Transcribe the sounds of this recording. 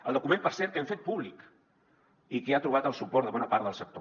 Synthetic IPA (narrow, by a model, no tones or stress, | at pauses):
əlˠd̪ukumẽmpəɾsɛɾt̪keɱfet̪̚puβlik | ikeat̪ɾuβat̪əlˠsupɔɾt̪əβɔnəpaɾðəlˠsək̚t̪o